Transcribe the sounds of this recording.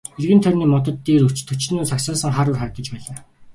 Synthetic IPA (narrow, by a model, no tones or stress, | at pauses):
erɣɘ̆nt̪ʰœɾʲniːmɔt̪ɞ̆t̪ːiːɾɵ̥t͡ɕt̪ʰɵt͡ɕɮɘnuːsaksɔːsə̆ŋχaːɾʊːrχaɾ̆t̪ə̆t͡ɕpæːɮaː